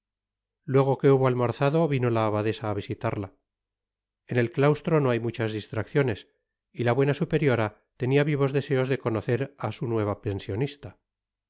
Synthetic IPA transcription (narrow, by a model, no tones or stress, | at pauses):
lwe̞ɣ̞o̞ke̞uβoalmoɾθaðo̞βino̞laːβaðe̞saːβ̞isit̪aɾla | ene̞lklawst̪ɾo̞no̞ajmut͡ʃazðist̪ɾakθjo̞ne̞s | ilaβwe̞nasupe̞ɾjo̞ɾa | t̪e̞niaβiβo̞zðe̞se̞o̞zðe̞ko̞no̞θe̞ɾasunwe̞β̞ape̞nsjo̞nist̪a